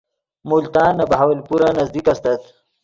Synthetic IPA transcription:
mult̪aːnːɐbɐɦawɐlpuɾanɐzd̪ikɐst̪ɐt̪

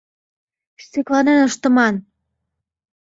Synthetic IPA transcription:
st̪eklɑnenəʃt̪ə̆mɑn

